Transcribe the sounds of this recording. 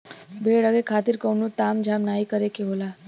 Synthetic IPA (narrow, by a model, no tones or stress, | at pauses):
bʱeɽəɡekʰat̪iɾkəwnut̪amd͡ʒʱamnaikəɾekeɦola